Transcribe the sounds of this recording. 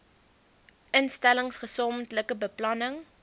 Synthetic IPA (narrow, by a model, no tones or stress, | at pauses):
ʔənstæləŋsχəsɔmtləkəbəplɐnəŋ